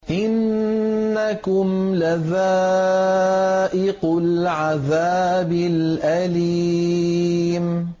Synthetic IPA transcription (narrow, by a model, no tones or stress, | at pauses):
ʔɪnː | akʊmlaða | ʔɪqʊlʕaðaːbɪlʔali | m